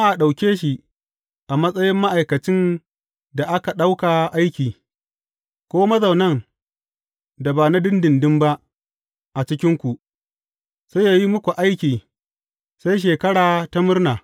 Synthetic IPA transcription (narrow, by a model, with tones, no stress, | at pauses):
a˦ʔa˨ɗa˨wkʲeː˦ʃi˨ | ʔa˨mɐ˦sʼɐ˦jɪ˦mːa˦ʔa˨jkɐ˨t͡ʃɪ˦n | da˨ʔa˦ka˨ɗa˦wka˨ʔa˦jkʲiː˨ | kʷoː˦mɐ˦zɐ˨wnɐ˦˨ŋ | da˨baː˨na˦dɪ˦ndɪ˨ndɪ˦mba˦ʔ | ʔa˨t͡ʃɪ˦kʲɪ˦ŋkʷu˨ʔ | sa˦jaː˨ji˦mʊ˦kʷu˨ʔa˦jkʲiː˨ | sa˦jʃ̬eː˨kɐ˦ɽaː˨ta˦mʊ˦rnaː˨